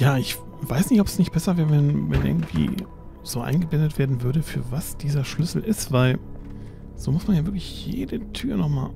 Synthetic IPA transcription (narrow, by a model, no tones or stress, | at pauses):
jaːɪç | v̥aɪsnɪçtɔpɛsnɪçt̚b̥ɛsɐvɛːʁəvɛnvɛ̰nʔɪ̰ɐɡŋ̩tv̥ḭː | z̥oːʔa̰ɪnɡəblɛndətv̥eːɐdn̩vʏɐɾəfyːɐvasd̥iːzɐʃlʏsl̩ʔɪstv̥aɪl | z̥oːmʊsmanjaːvɪɐklɪçjḛːdətʰyːɐnɔχma̰ː